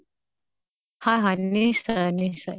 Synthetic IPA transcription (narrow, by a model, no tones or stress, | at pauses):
haɦanːisanisaj